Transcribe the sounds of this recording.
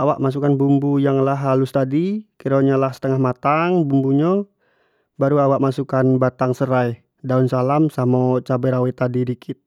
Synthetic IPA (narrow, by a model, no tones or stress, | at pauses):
awaʔmas̬ukanbumbujaŋlaɦalust̪adikiɾoɲalahsə̥t̪əŋahmat̪aŋbumbuɲa | baɾuawaʔ̚masukanbat̪aŋsəɾaj | daunsalamsamɔt͡ʃabɛɾawɛt̪adidikʰɪt̪̚